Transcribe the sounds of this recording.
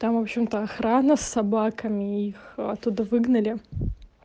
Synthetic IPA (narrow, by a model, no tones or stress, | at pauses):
t̪amvopɕɪmt̪əɐxɾanəsːɐbakəmʲɪixɐ̰t̪ːud̪əvɨɡnəlʲɪ